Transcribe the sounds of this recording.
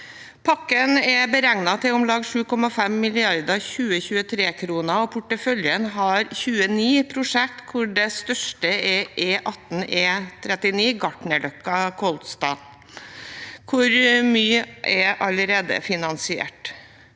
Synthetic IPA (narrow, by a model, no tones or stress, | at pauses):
pʰɑkːənɛbəɾæŋnɑt̪ʰɪɔmlɑːɡʂʉːkʰɔmɑfɛmːɪlɪɑɾd̪ɑçʉːəçʉːət̪ʰɾeːkʰɾuːnɑoːpʰʊʈːəfœljənɦɑɾçʉːəniːpʰɾʊʂɛk̚t̪kʰʊɖɛst̪œʂʈəɛʔeːʔɑt̪n̩ɛːt̪ʰɾɛt̪ɪniːɡɑʈɳəlœkːɑkʰɔlt̪st̪ɑ̰ː | kʰʊɾmyːəʔɛʔɑləɾeːd̪ə̰fɪnɑnsɪḛːʈ